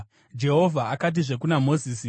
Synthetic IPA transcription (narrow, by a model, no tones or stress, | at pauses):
d͡ʒe̞ɦo̞vʱaakat̬iʐe̞k̬unamo̞ziːsi